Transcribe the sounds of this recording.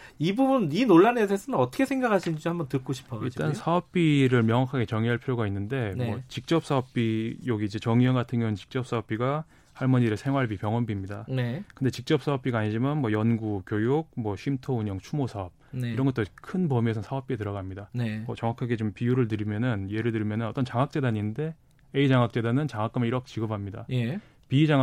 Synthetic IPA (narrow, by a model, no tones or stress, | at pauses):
ibubuninoɭːanes̬ʰesʰʌnɯnʌt͈ʰʌkʰesʰeŋɡakʰaɕʰind͡ʑhambʌntɯk͈oɕʰi̥pʰʌiɭd͡ʑit͈ansʰaʌp̚p͈iɾɯɭmjʌŋwakʰaɡe̞t͡ɕʌŋiɦaɭpʰiɾjoɡainːɯnde̞nwʌt͡ɕik̚t͡ɕ͈ʌp̚s͈aʌp̚p͈ijoɡiːd͡ʑe̞t͡ɕʌŋʌnɡatʰɯŋɡjʌŋɯt͡ɕi̥k̚t͡ɕ͈ʌp̚s͈aʌp̚p͈iɡa | haɭmʌɲiɾesʰe̞ŋɦwaɭbipjʌŋwʌnbimɲidanekɯnde̞t͡ɕik̚t͡ɕ͈ʌp̚s͈aʌp̚p͈iɡaɲid͡ʑimʌnmwʌjʌnɡukjojuɡ̚mwʌɕʰimtʰouɲʌŋt͡ɕʰumosʰaʌp̚niɾʌnɡʌt͈okʰɯnpʌmiesʰʌsʰaʌp̚p͈ietɯɾʌɣamɲidanemʌt͡ɕʌŋwakʰaɡe̞t͡ɕompijuɾɯɭt̬ɯɾimjʌnɯnje̞ɾɯɭtɯɭmjʌnɯnʌt͈ʌnt͡ɕaŋɦak̚t͡ɕ͈e̞daɲinde̞ | eid͡ʑaŋak̚t͡ɕ͈e̞danɯnt͡ɕaŋak͈ameiɾʌkʰet͡ɕiɡʌpʰamɲida̰je | pid͡ʑa